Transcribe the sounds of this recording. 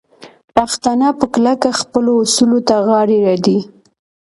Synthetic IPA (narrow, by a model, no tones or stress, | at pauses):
paxt̪anɑpəklakaxpəloːsulot̪aɣɑɽeɾɑd̪i